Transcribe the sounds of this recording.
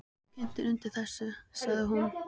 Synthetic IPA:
cʰɛn̥t̪ɪɾʏnt̪ɪ̥θɛsːʏsaɣðɪɦun

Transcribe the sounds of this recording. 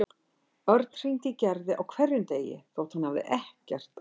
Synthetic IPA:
œɾt̪nr̥ijnt̪ɪcɛɾðɪʔawkʰvɛrjʏnt̪eːjɪ̰θowht̪hanhavðɪ̰ʔɛhcɛr̥t̪

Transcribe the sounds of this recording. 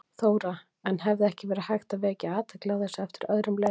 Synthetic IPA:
θoːwɾa | ɛnɦɛvðɪɛhcɪvɛːɾɪahajxt̪avɛːcɪaːt̪ʰaklaɣðɛsɛft̪ɪ̥ɾœðɾʏmle

